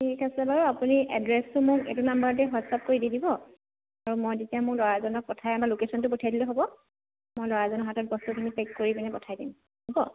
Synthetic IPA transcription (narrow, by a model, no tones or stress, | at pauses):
tikʰasɔbaɹuapuniʔɛ̰dɹɛstʊmʊkḛtunambaɹtɛɦɔsap̚koɹididibɔ | aɹumojzitiamʊklɔɹazɔnɔk̚pɔtʰajamalokesɔntʊpotʰajdilɛɦobɔ | mojlɔɹazɔnɔɦatɔt̚bɔstukʰinipekkːoɹibɛnɛpɔtʰajdim | hɔbɔ